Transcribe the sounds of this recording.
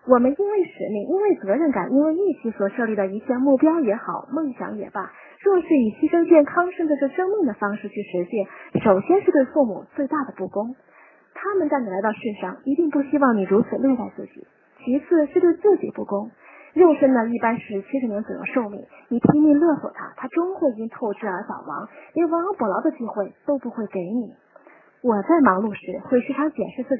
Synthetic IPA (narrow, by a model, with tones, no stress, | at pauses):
wɔ˨˩mə˦ni˥nwe˥˩ɪʂɻ̩˧˥mi˥˧ŋʔi˥nwe˥˩ɪt͡sɤ˧˥ɻə˥˩nka̰˨˩ni˥nwe˥˧ɪi˥˩t͡ɕʰi˧˥swɔ˨˩ʂɤ˥˧li˥˩d̪ə˩i˧˥t͡ɕʰjɛ˥˧nmu˥˩pjɑ˥ʊjɛ˧˥xɑ˨˩˦ʊmɤ˥˩ŋɕjɑ̰˧˥ŋjɛ̰˨˩bɐ˧ | ʈ͡ʂwɔ˥˩ʂɻ̩˥˩i˨˩ɕʰi˥ʂɤ˥ŋt͡ɕjɛ˥˩nkʰɑ˥ŋʂnʈ͡ʂɻ̩˥˧ʈ͡ʂɤ˥˩ʂɤ˥ŋmi˥˩ŋd̪ə˩fɑ˥ŋʂɻ̩˥˧t͡ɕʰy˥˩ʂɻ̩˧˥ɕjɛ˥˩nʂo˨˩ʊɕjɛ˥nʂɻ̩˥˧t̪we˥˧ɪfu˥˩mṵ˨˩t͡swe˥˧ɪt̪a˥˩d̪ə˩pu˥˩kʊ˥ŋ | t̪ʰa˥mə˨nt͡sa˥˩ɪni˩la˧˥ɪt̪ɑ˥˧ʊʂ̩˥˩nʂɑ˥˩ŋi˧˥t̪i˥˧ŋpu˥˩ɕi˥wɑ˥˩ŋni˨˩ɻu˧˥t͡sʰɹ̩˨˩lwe˥˧ɪt͡sa˥˧ɪt͡sɹ̩˥˩t͡ɕḭ˨˩˦ | t͡ɕʰi˧˥t͡sʰɹ̩˥˧ʂɻ̩˥˧t̪we˥˧ɪt͡sɹ̩˥˩t͡ɕḭ˨˩pu˥˩kʊ˥ŋ | ɻjo˥˩ʊʂə˥nnə˨˩i˥˩pa˥nʂɻ̩˥˩t͡ɕʰi˧˥ʂɻ̩˧˥n˧˥nt͡so˨˩jo̰˥˧ʂo˥˧ʊmḭ˥˩ŋ | ni˨˩p̪ʰi˧˥ŋmi˥˧lɤ˥˩swɔ̰˨˩t̪ʰa̰˥t̪ʰa˥ʈ͡ʂʊ˥ŋxwe˥˩ɪ˨˩t͡ɕi˥ŋt̪ʰo˥˧ʊʈ͡ʂɻ̩˥ə˞˧˥sɑ˨˩ʊwɑ̰˧˥ŋni˧˥˧ŋwɑ˧˥ŋpu˧˥˩lɑ˧˥ʊd̪ə˧t͡ɕi˥˧xwe˥˩ɪt̪o˥ʊpu˧˥xwe˥˩ɪke˧˥ɪni˨˩˦ | wɔ˨˩t͡sa˥˩ɪmɑ˧˥ŋlu˥˧ʂɻ̩˥˩xwe˥˧ɪʂɻ̩˥˩tʰa˥ŋt͡ɕjɛ˨˩nʂɻ̩˥˧t͡sɹ̩˥˩t͡ɕ